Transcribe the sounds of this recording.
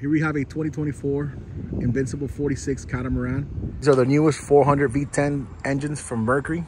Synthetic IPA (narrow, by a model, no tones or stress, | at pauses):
hiɹwiɨvɨtʰw̥ɛ̃ɾ̃itʰwɛ̃ɾ̃ifɔɹɨ̃nvɪ̃nsəpl̩ˠfɔɹɾisɪkskʰæɾəmə˞æ̃nizə˞ðənjʉəstfɔɹɦʌ̃ndɹɨdvitʰɛ̃n | ɛ̃nd͡ʒɨ̃nz̥fɹʌ̃mːɜ˞kə˞i